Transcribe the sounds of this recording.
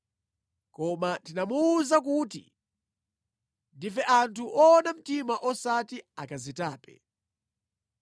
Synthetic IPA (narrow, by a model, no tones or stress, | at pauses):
kɔmatinamuːzak̬utḭ | ndifɛʔantʰuʔɔːnam̩timaʔɔsatiakazitaːpɛ̰